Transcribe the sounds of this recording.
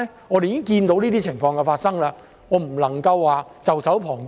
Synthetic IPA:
ŋɔː˨˧ɾe˨˧˨kɪ˥ŋkiː˧nt̪o˨˧wniː˥t̪iː˥t͡sʰɪ˨˩ŋfɔː˧ŋkɛ˧faː˧t̚sɐ˥ŋlaː˧ | ŋɔː˨˧m̩˨˩lɐ˨˩ŋkɐ˧wːaː˨t͡sɐ˨wsɐ˨˥wpʰɔː˨˩ŋ

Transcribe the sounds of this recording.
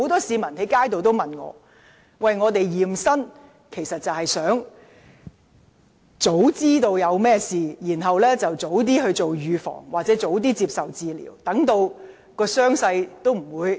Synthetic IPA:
ho˨˥wt̪ɔː˥siː˨˧mɐ˨˩nhɐ˨˥kaː˥jt̪o˨wt̪o˥wmɐ˨nŋɔ̰ː˨˧ | wɐ˨jŋɔː˨˧t̪e˨jjiː˨˩msɐ˥n | kʰe˨˩jsɐ˨t̚t͡sɐ˨whɐ˨jsœː˨˥ŋ | t͡so˨˥wt͡siː˥t̪o˧wjɐ˨˧wmɛː˥siː˨jiː˨˩nɦɐ˨wlɛː˥t͡sɐ˨wt͡so˨˥wt̪̬iː˥hɵ˧ɥt͡so˨wjyː˨˧fɔ̰ː˨˩ŋwaː˨˩t͡sɛ˨˥t͡so˨˥wt̪̬iː˥t͡siː˧p̚sɐ˨wt͡siː˨˧lḭː˨˩wt̪ɐ˨˥ŋt̪o˧w | kɔː˧sœː˥ŋsɐ˧jt̪o˥wm̩˨˩wuː˨˧j

